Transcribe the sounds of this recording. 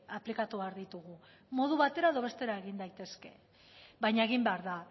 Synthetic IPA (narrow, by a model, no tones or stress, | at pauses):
aplikat̪uβeaɾðit̪uɣ̞u | mo̞ð̞uβat̪e̞ɾaeðo̞β̞e̞st̪e̞ɾae̞ɣ̞ind̪ajt̪e̞ske̞̰ | βajɲaeɣ̞imbeaɾða